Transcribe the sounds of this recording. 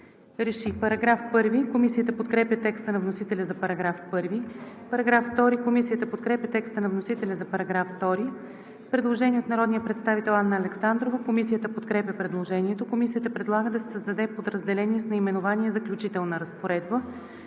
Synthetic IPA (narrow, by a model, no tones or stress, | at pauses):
ɾɛʃipɐɾɐɡɾafpɤɾvikomisijət̪əpot̪kɾɛpʲjət̪ɛkst̪ənɐvnosit̪ɛlʲɐzɐpɐɾɐɡɾafpɤɾvi | pɐɾɐɡɾafft̪ɔɾikomisijət̪əpot̪kɾɛpʲjət̪ɛkst̪ənɐvnosit̪ɛlʲɐzɐpɐɾɐɡɾafft̪ɔɾi | pɾɛd̪lˠoʒɛnʲiɛot̪nɐɾɔd̪nijəpɾɛt̪st̪avit̪ɛlˠanːəːlɛksand̪ɾovəkomisijət̪əpot̪kɾɛpʲjʲəpɾɛd̪lˠoʒɛniɛt̪okomisijət̪əpɾɛd̪lˠaɡəd̪ɐsɛ̥səzd̪ɐd̪ɛpod̪ɾəzd̪ɛlɛniɛsnɐimɛnovaniɛzɐklʲut͡ʃit̪ɛlˠnəɾɐspoɾɛd̪̚bə